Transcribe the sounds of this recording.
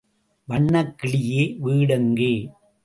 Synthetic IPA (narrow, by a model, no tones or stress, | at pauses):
ʋɐɳːɐkːɪɭɪjeːʋiːɽɐŋɡeː